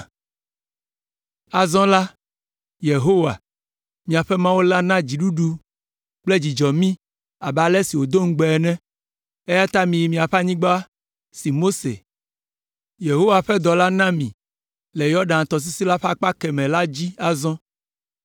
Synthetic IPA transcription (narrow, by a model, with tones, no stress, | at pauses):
a˨zɔ̃˦la˦ | je˨ɦo˦wa̰˨ | mĩ˨a˨ɸɛ˦mã˦wo˦la˦nã˦d͡ʑi˨ɖu˦ɖu˦ | k͡ple˦d͡ʑi˨d͡ʒɔ˨mĩ˦ | a˨ba˨lɛ˦si˨wo˨d̪o˦ŋ̩˦ɡ͡bɛ˨ɛ˨nɛ̃˦ | e˦ja˦t̪a˦mĩ˨ji˨mĩ˨a˨ɸa˦ɲĩ˦ɡ͡ba˦a˦ | si˨mo˦sḛ˨ | je˨ɦo˦wa˨ɸɛ˦d̪ɔ˨la˦nã˦mĩ˨ | le˨jɔ˦ɖã˨t̪ɔ˨s̬i˦si˦la˦ɸa˦k͡pa˦kɛ˨mɛ̃˨la˦d͡ʑi˦a˨zɔ̃˦